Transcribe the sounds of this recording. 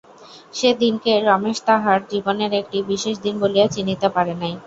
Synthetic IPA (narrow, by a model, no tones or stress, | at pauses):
ʃed̪inkeɾɔmeʃt̪aɦaɾd͡ʑiboneɾek̚ʈibiʃeʃd̪inboliat͡ɕinːit̪epaɾenaj